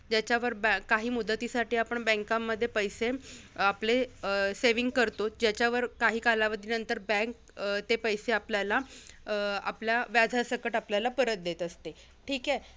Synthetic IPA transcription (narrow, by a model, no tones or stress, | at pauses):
d͡ʑjat͡ɕaʋəɾbkaɦiːmud̪ːət̪iːsaʈiːapəɳbɛ̃ŋkamːəd̪ʱːjepəjseapleseʋiŋɡkəɾt̪od͡ʑjat͡ɕjaʋəɾkaɦiːkalaʋəd̪ʱiːnənt̪əɾbɛ̃ŋk | t̪epəjseapljala | a̰pljaʋjad͡zʱasəkəʈapljalapəɾət̪̚d̪et̪əst̪e | ʈʰiːke